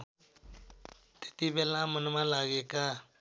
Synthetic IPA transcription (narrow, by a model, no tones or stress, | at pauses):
t̪e̥t̪ibelamənmãlaɡeka